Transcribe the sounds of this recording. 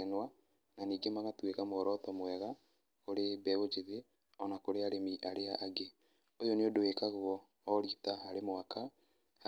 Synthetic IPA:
ɛnwa | naniːɡemaɣatwekamoɔɾɔtɔmwɛɣa | koɾebɛɣod͡ʒeðe | ɔnakoɾeaɾemiʔaɾeaʔːɡe | ojoneodoekaɣoɔː | ɾitaɦaɾemoaka | h

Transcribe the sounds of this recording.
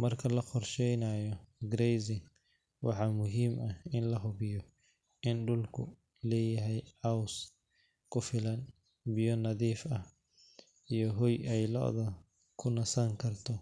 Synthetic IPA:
mɐrkʰɐlɐqɔrʃɛjnɐjɔɡɾɛjzɪŋ | wʔɑ̰ħɑːmʊɦiːmʔɐhɪnlɐɦʊβɪjɔ | ʔɪnɖʊlkʰʊ̰ | lɛːjɐɦɛjʕɑws | kʰʊfɪlɐn | bɪjɔnɐðiːfɐh | ijɔɦɔjɛjlɔ̰ːðɐ | kʰʊnɐsɐŋkʰɐrt̪ʰɔ

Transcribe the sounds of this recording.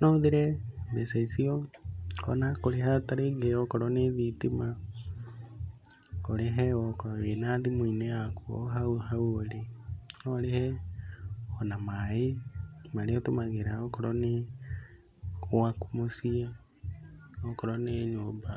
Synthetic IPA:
noðiɾɛbesaisio | onakoɾeɦataɾeɡeokɔɾɔneðitima | koɾeɦɛokoenaːðimuineakuo̰ɦauhauoɾeolehɛ | onamaemaɾeotomaɣeɾaokɔɾɔne | wakumosia | okɔɾɔneːɲoba

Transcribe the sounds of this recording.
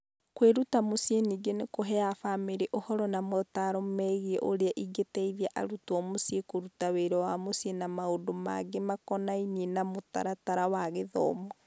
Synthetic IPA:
kweɾutamosieniːɡenekoɦɛafaːmeɾeʔohɔɾɔnamɔtaɾomɛɣieʔoɾeaʔiɡetɛiðiaʔa̰ɾutɔmosiekoɾutaweɾɔwamosjenamaodoma̰ɡemakɔnainienamota̰ɾataɾawaɣeðɔ̰ːmɔ

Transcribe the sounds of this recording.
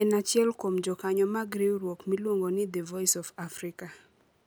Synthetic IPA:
ɛnat͡ʃjɛlkomd͡ʒɔkaɲɔmaɡɾeɾwokmilwoŋɡonɪd̪ɛvɔjsɔfafɾɪka

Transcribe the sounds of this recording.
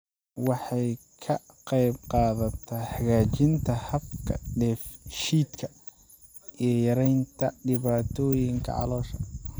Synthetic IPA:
wɑħɑj | kʰɐ | qɑjbqɑːðɐt̪ʰɐħɑɣaːt͡ʃɪnt̪ʰɐhɐb̚kʰɐ̰ɖɛːfʃiːd̪kʰɐ | ʔijɞjɐɾɛjnt̪ʰɐɖɪβaːt̪ʰɔːjɪŋkʰɐ̰ʕɑ̰lɔːʃɐ

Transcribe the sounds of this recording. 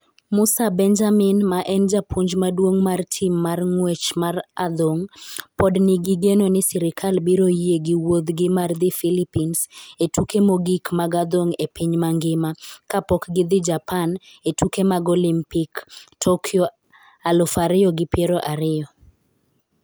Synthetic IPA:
mʊsabɛnd͡ʒamɪnmaʔɛnd͡ʒapʰuɲd͡ʒmadwoŋmartʰimːarŋwet͡ʃmara̰d̪oŋpɔdnɪɡiɡenonɪsɪɾɪkʰalbiɾojeɡɪwod̪ɡɪmard̪ɪfilipinsetukemoɡikmaɡad̪oŋepiɲmaŋɡɪmakapɔkɡɪd̪ɪd͡ʒapʰan | etukemaɡolimpiktʰokʰɪɔ | alɔfaɾɪɔɡɪpjeɾoʔaɾɪɔ

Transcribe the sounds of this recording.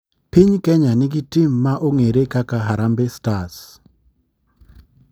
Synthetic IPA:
pɪɲkɛɲanɪɡɪtimːaʔoŋeɾekakaɦaɾambestas

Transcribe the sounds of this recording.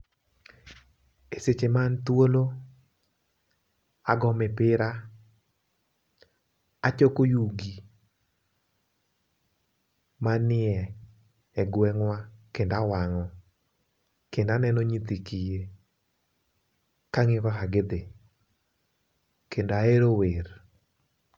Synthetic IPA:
eset͡ʃemant̪wolo | aɡɔmɛpɪɾa | at͡ʃokojuɡi | manɪɛ | ɛɡwɛŋwakendawaŋɔ | kendanɛnoɲit̪ikije | kaŋɪwaɦaɡɪd̪ɪ | kendoaeɾower

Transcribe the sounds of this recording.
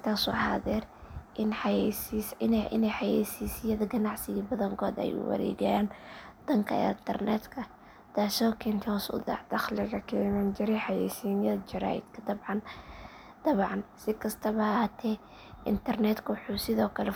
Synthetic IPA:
t̪ʰaːsṵːha̰ðɛrʔɪnjɛsisnɪ̰nɛjħɑjɛːsiːsɪjɐðɐɡɐnɑʕsɪɣiːbɐðɐŋkʰɔːd̪ɐ̰jṵːwɐ̰ɾɛ̰ːɡɛjaːnd̪̥ɐŋkʰɐ̰ɪ̰nt̪ʰɐrnɛ̰ːd̪kʰɐ | d̪̥aːʃɔːkʰɛnt̪ʰhɔːsʊ̰d̪ɑ̰ʕd̪̥ɑxlɪɣɐkʰɛmɐnt͡ʃɪɾɛħɑjɛ̰ːsiːnjɐðɐt͡ʃɪɾa̰ːjɪ̰d̪kʰɐd̪ɐbʕɑn | d̪̥ɐβʕɑnsɪkʰɐst̪ʰɐβɐɐhaːt̪ʰɛ | ʔɪ̰nt̪ʰɐrnɛːd̪kʰɐwħuːsɪðɔːkʰɐlɛ

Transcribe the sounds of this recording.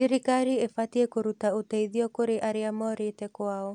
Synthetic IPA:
iɾikaɾiefatiekoɾutaoteiðiɔkoɾeʔaɾeamɔɾetɛkwaːɔ

